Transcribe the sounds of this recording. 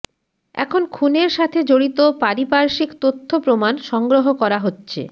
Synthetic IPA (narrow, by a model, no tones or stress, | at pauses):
ɛ̰kʰonkʰuneɾʃat̪ʰed͡ʑoɽit̪opaɾipaɾʃikt̪ot̪ʰːopɾomanʃɔŋɡɾoɦokɔɾaɦotːɕʰḛ